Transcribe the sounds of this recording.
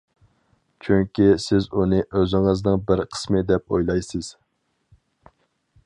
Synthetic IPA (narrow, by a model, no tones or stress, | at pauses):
t͡ʃʰyŋʲkʲisɪzunɨʔøzɪŋəznɨŋbɪɾqʰə̥smɨd̪ɛp̚o̰jlˠɑjsɨz̥